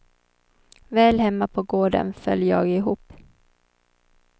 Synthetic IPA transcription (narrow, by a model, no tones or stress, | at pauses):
vɛːlɦɛmːapʰɔɡoːɖə̰nfœ̰ljjɑːɡɪɦuːp